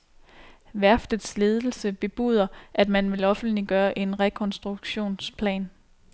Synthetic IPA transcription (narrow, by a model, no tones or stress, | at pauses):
ʋæɐfd̥ð̩ˠsle̝ːð̞ˠl̩səb̥e̝b̥ṵð̞ˠɐʔæd̥mænʋe̝lɒ̽fn̩d̥liɡ̥ɶːɐʔe̝nʁɛkʰɒ̽nsd̥ʁuɡ̥ɕo̝̰ːnspʰlɛ̰ːn